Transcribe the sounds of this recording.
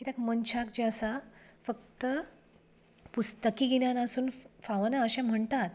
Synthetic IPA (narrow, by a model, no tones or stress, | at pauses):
it̪jakmənt͡ɕʰakd͡ʑeəsafək̚t̪ə | pust̪əkiːɡinjanasuːnfaʋanaəɕam̤əɳt̪at̪̚